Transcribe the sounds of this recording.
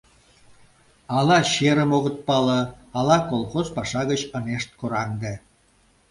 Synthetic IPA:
ɑlɑɕeɾəmoɣə̆t̪̚pɑlə̆ɑlɑkolˠχozpɑʃɑɣət͡ɕəneʃt̪̚koɾɑŋd̪e

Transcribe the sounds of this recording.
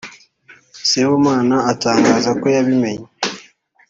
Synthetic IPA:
sewomaːnaːtaːŋɡaːzako̞jaβime̞ɲe

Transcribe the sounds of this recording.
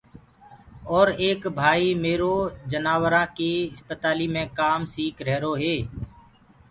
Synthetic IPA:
ɔːɾeːkbʱaːiːmeːɾoːd͡ʒənaːʋɾãːkeːɪspət̪aːliːmẽːkaːmsiːkɾɛɦɾoːɦeː

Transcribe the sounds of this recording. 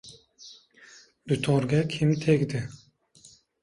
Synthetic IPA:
d̪̥ut̪ʰɔɾɡɛkʰimt̪ʰekd̪ɪ

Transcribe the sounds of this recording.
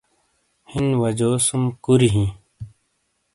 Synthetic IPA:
hinʋɐd͡ʑoːsumkuɾiɦĩː

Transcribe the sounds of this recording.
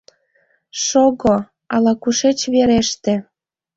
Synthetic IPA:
ʃoɣo | ɑlɑkuʃet͡ɕβeɾeʃt̪ĕ

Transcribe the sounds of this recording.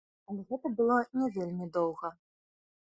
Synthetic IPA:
ɐlʲɛɣɛt̪ɐbɨlˠɔnʲɛvʲelʲmʲid̪ɔwɣɐ

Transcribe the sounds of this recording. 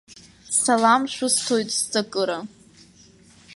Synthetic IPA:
salamʃʷʊstʰojtʼst͡sʼakʼɨɾa

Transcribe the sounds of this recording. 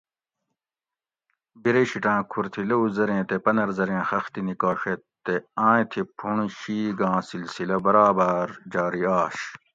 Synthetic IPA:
biɾeɕiʈãːkʰuɾt̪ʰilɐuzɐɾẽːt̪epɐnɐɾzɐɾẽːxɐxt̪inikaːʂet̪t̪ːeãːt̪ʰipʰuɳ̃ɕiːɡãːsilsilɐbɐɾaːbɐɾd͡ʑaːɾiaːɕ

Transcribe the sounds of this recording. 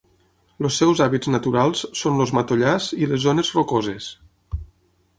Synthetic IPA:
losːɛwzaβid͡znət̪uɾalˠssonlozmat̪oʎazilezonezrokozes

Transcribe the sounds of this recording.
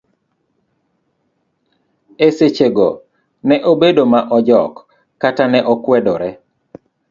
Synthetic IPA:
eset͡ʃeɡɔ | nɛʔobedomaʔɔd͡ʒɔkː | atanɛʔɔkwɛdɔɾɛ

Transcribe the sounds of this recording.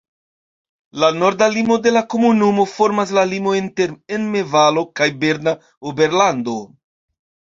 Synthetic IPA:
lano̞ɾdalimo̞de̞lako̞munumo̞fo̞ɾmas̬lalimo̞inte̞ɾenme̞valo̞kajbe̞ɾna | obe̞ɾlando̞

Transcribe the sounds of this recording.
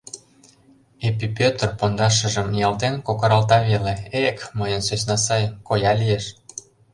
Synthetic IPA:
epipʲøt̪rpond̪ɑʃ̬ə̆ʒəmjɑlt̪enkokɤɾɑlt̪ɑβeleekməjənsøsnɑsɑjkojɑlijeʃ

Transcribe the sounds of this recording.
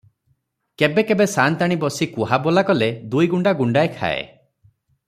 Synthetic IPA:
kebekebesant̪aɽ̃ibɔsikuɦabolakɔled̪ujɡuɳɖaɡuɳɖaekʰa̰ḛ

